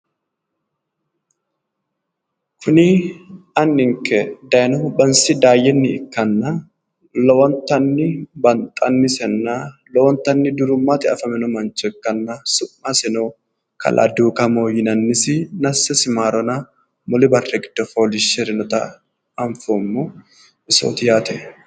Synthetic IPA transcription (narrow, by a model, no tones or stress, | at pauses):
kʰʊnɪɐnːɪŋkɛd̪ɐjnɔʊbɐnsɪd̪aːjɛnːɪɪkːɐnːa | lɔwɔnt̪ɐnːɪbɐnt̪ʼɐnːɪsɛnːaːlɔwɔnt̪ɐnːɪd̪ʊɾʊmːaːt̪ɪɐfɐmɛnɔmɐnt͡ʃɛkːɐnːasʊmːasɛnoː | kʰɐ̰lʔa̰d̪uːkɐmoːjɪnɐnːɪsɪnɐsɐsɪmaːɾɔna | mɔlɪbɐrːɛɡɪd̪̥ɔfoːlɪʃɛɾɪnɔt̪ɐ | ɐɱfomːu | ɪso̰ːt̪ɪjaːt̪ɛ